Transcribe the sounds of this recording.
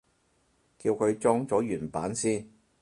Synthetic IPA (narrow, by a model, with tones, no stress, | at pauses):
kiː˧wkʰɵ˨˧ɥt͡ʃɔː˥ŋt͡sɔː˨˥jyː˨˩npaː˨˥nsiː˥n